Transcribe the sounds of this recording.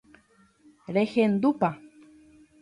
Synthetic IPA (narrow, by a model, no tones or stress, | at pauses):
ɾehend̪upa